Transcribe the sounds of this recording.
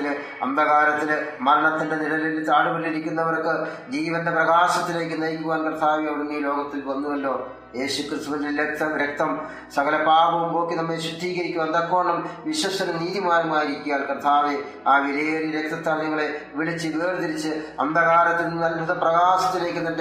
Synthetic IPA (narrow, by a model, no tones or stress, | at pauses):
il | ɐnd̪ɐɣaːɾɐt̪ːilmɐɾɐɳɐt̪ːinde̞nilɐlɐilt̪aːɽuʋɐliɾikʲːunːɐʋɐrkɨ | d͡ʑiːʋɐnde̞prɐɣaːsɐt̪ːile̞ːkːɨnɐjkʲːuɣaːnprt̪ʰaːʋijɐɽunːijɐlo̞ːɡɐt̪ːilʋɐnːuʋɐlːo̞ː | je̞ːɕukrɨst̪uneɾek̚t̪ːɐɾek̚t̪ɐm | sɐɣɐlɐpaːbɐʋumpo̞ːkːinɐmːeɕuʈʰːiːɣɐɾikʲːumɐnd̪ɐkːoːɳɐmʋiɕɐsɐnɐniːðimaːɾɐmaːjiɾikʲːujaːlkrt̪ʰːaːʋi | aːʋiɾeːriɾek̚t̪ɐt̪ːaːɳɲɐŋːɐɭe̞ʋiɭit͡ɕːiʋeːrd̪iɾit͡ɕːɨɐnd̪ɐɣaːɾɐt̪ːilnɐlbʱɐðɐprɐɣaːsɐt̪ːile̞ːkːɨt̪ːɐnd